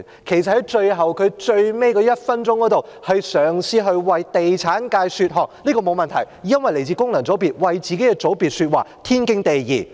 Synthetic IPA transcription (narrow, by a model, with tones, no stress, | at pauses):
kʰe˨˩jsɐ˨t̚hɐ˨˥jt͡ʃɵ˧ɥɦɐ˨wkʰɵ˨˧ɥt͡ʃɵ˧ɥme˥jkɔː˧jɐ˥t̚fɐ˥nt͡ʃʊ˥ŋkɔː˨˥t̪o˨w | hɐ˨jsœː˨˩ŋsiː˥ɦɵ˧ɥwɐ˨˧jt̪e˨jt͡sʰaː˨˥nkaː˧jsyː˧t̚ɦɔː˨kliː˥kɔː˧mo˨˧wmɐ˨nt̪ʰɐ˨˩jjɐ˥nwɐ˨jle˨˩jt͡siː˧kʊ˥ŋlɐ˨˩ŋt͡sɔ˨˥piː˨˩t̚wɐ˨jt͡siː˨ke˨˥jkɛ˧t͡so˨˥wpiː˨˩t̚syː˧t̚wa̰ː˨t̪ʰiː˥nkɪ˥ŋt̪e˨jjiː˨˩